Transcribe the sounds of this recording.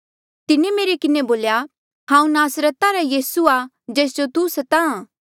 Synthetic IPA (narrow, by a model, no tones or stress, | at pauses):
t̪ɪnemeːɾekɪneboːlja | ɦãːũnaːsɾət̪aɾajiːsua | d͡ʒɛːs̬d͡ʒot̪usɐt̪aãː